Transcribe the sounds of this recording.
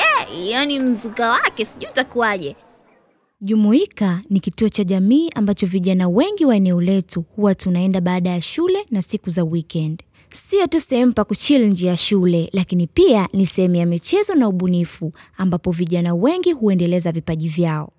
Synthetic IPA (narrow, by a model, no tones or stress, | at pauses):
ɛijɔnim̩zukawakɛsiʄuːtakuaʄɛ | ʄumuikanikituɔt͡ʃaʄamiːʔambat͡ʃɔviʄanawɛŋɡiwaɛnɛɔlɛtuhuwatunaɛndaɓaːɗajaʃulɛnasikuzawikɛnd | siɔtusɛhɛm̩pakut͡ʃilɲd͡ʒijaʃulɛlakinipianisɛhɛmujamit͡ʃɛzɔnauɓunifuambapɔviʄanawɛŋɡihuɛndɛlɛzavipaʄivjaɔ̰